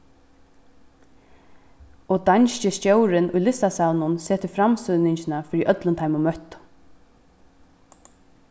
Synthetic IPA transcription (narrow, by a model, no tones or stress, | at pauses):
ɔd̪anʃcəstjowɾɪnʔʊjlɪst̪asaːlnʊnsɛːt̪əfɾamsʏðnɪɲt͡ʃɪnafɪːɾiʔœt̪lənt̪ʰajmʊmœt̪